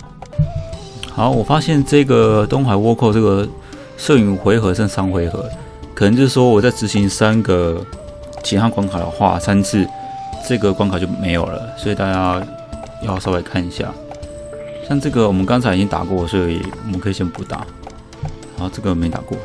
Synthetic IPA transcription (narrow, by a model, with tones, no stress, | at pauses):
xa˨˧˦ʊwɔ˨˩fa˥ɕjɛ˥˨nʈ͡ʂɤ˥˩ɡə˩t̪o˥ŋxa˨˩ɪwɔ˥˧kʰo˥˧ʊʈ͡ʂɤ˥˩ɡə˩ | ʂɤ˥˩y˨˩xwe˧˥ɪxɤ˧˥ʈ͡ʂə˥˧sɑ˥ŋxwe˧˥ɪxɤ̰˧˦ | kʰə˨˩nə˧˦ŋt͡ɕjo˥˩ʂwɔ˥wɔ˨˩t͡sa˥˩ʈ͡ʂɻ̩˧˥ɕi˧˥ŋsa˦˥nɡə˨ | t͡ɕʰi˧˥t̪ʰa˥kwa˧˥ŋkʰa˨˩d̪ə̰˨xwa̰˥˩sa˥nt͡s̩ʰ˥˩ | ʈ͡ʂɤ˥˧˩ɡə˩kwa˧˥ŋkʰt͡ɕjo˥˩ʊme˧˥ɪjo̰˨˩ʊlə̰˩swɔ˧˥i˨˩t̪a˥˩t͡ɕja˦˥ | jsɑ˥˧la˧˥˩ɪkʰa˥˨ni˨ɕja̰˥˩ | ɕja˥˧ŋʈ͡ʂɤ˥˩ɡə˨wɔ˨˩mə˦nkɑ˥ŋt͡sʰa˧˥i˨t͡ɕi˦˥nt̪a̰˨˩kwɔ˥˨swɔ˧˥i˨wɔ̰˨˩mə˦nkʰɤ˧˥i˨˩ɕɛ˥˧n˩pu˧˩t̪a̰˨˩˦ | a˨˥˦o˧ʈ͡ʂɤ˥˩ɡə˩jme˥˧t̪a̰˨˩kwɔ̰˥˨